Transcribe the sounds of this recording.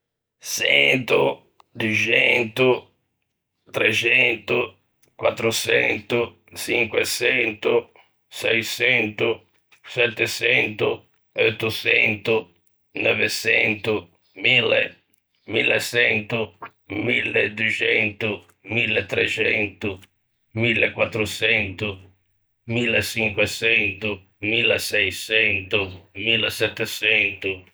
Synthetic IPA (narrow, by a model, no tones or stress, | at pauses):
sɛnt̪u | d̪ut͡ʃɛnt̪u | t̪ɾɛt͡ʃɛnt̪u | kwa̰t̪ːɾusɛnt̪u | siŋkwɛsɛnt̪u | sɛjsɛnt̪u | sɛt̪ːɛsɛnt̪u | ɛɔt̪ːusɛnt̪u | nɔvesɛnt̪u | milːḛ | milːesɛnt̪ʊ | milːed̪uet͡ʃɛnt̪ʊ | milːet̪ːɾet͡ʃɛnt̪ʊ | milːekwat̪ːɾosɛnt̪ʊ | milːesiŋkwesɛnt̪ʊ | milːasɛjsɛnt̪ʊmilːesɛt̪ːɛsɛnt̪ʊ